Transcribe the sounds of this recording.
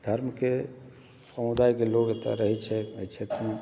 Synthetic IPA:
d̪ʱəɾmke | səmʊd̪aːjkeloːɡet̪a̰ɾəɦet͡ʃʰɛet͡ʃʰet̪ũ

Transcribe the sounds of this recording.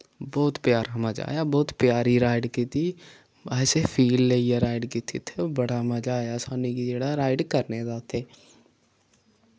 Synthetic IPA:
bɔːt̪pjaːɾaməd͡ʒa̰ːjabɔːt̪pjaːɾiɾaːɪɖkit̪ʰi | ɛːsepʰiːlːeijaɾaːɪɖkit̪ʰit̪ʰebəɽamɐd͡ʒaːjasaːnikid͡ʒeːɽaɾaːɪɖkəɾnezaːt̪ʰeː

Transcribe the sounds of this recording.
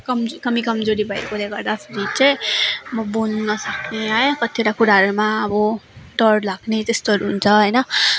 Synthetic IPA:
kʌmkʌmikʌmd͡zoɾibʱajkoleɡʌɾd̪asɾit͡sʌjmʌbunnʌsʌkneɦajkʌt̪ʰieɾakuɾaɾumaʌbɔɖʌɾɖlaɡnet̪est̪oɾɦunt͡sʰʌɦʌjnʌ

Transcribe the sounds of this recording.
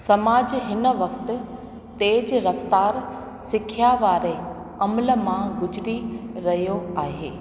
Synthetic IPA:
sɐmaːd͡ʑɦɪnəʋɐkt̪ɪ̆ | t̪eːd͡ʑɾɐft̪aːɾ | sɪkʰijaʋaːɾe | ɐmələ̆mãɡʊd͡ʑɪɾiɾɐɦijoaːɦeː

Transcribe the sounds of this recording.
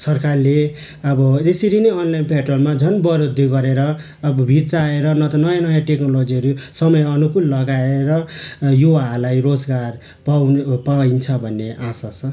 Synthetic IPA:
sʌrkarle | ʌbʌesiɾinʌʌnlajnpʰeʈrolmad͡zʱʌnbʌɾod̪ʱiɡʌɾeɾʌː | bbʱit̪ɾaeɾʌnʌt̪ʌnʌjãnʌjãʈeknolod͡ziɦʌɾusʌmʌjʌnukulːʌɡaeɾʌjuwalajrod͡zɡar | papaint͡sʰʌbʱʌnːeʔasas

